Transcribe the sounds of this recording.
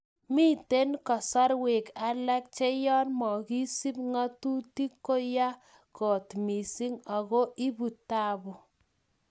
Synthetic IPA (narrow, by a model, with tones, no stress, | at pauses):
mi˦te˦nkɔ˨sɔ˦ɾwe˨ka˦la˦k̚t͡ʃe˦jɔ˦nmɔ˨ki˦si˦pŋa˦tu˦ti˦kːo˦ja˦ | kɔ˨tmi˨si˦ŋa˨ɣo˦ʔi˦bu˨ta˦bu˨